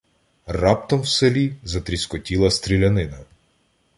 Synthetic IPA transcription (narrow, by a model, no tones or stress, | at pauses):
rɑp̚t̪ɔmwselʲizɐt̪ɾʲiskɔtʲilˠɐst̪ɾʲilʲɐnɪnɐ